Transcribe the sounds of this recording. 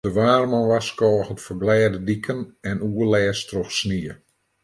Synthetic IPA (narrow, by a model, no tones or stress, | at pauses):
dəʋaːrmɔnʋaskɔːxətfərblɛːdədikʰənɛnuəlɛːstroxsniə